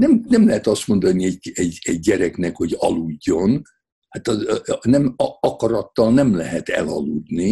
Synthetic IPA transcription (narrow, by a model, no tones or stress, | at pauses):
nɛmnɛmlɛɦɛt̪ɒst̪mo̞nd̪ɒniɛɟɛɟɛɟːɛɾɛknɛkho̞ɟɒ̰luɟːo̞n | hat̪ɒnɛmɒkɒɾɒt̪ːɒlnɛmlɛɦɛt̪ɛ̰lɒ̰lud̪ni